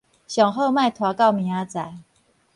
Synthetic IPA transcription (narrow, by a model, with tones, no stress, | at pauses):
ɕjɔ˨˩ŋɦo˥˧ma˥˨ɪt̪ʰwa˨˥kɑ˥˨ʊmi˨˦a˧˦t͡sa˨˩˦ɪ